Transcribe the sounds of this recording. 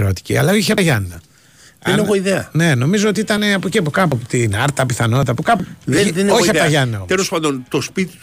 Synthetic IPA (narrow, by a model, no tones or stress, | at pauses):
ɾot̪i̥cḭɐ̰lɐiçeɐɐʝɐnːɐ | ɐeneɣoiðeɐ̰ne̞no̞mizo̞ot̪iit̪ɐneɐpociɐpokɐppot̪inɐɾt̪ɐpiθɐno̞t̪ɐpukɐpððenoçiɐpoɐʝɐnːɐot̪elospɐnd̪ont̪ospit̪i̥t̪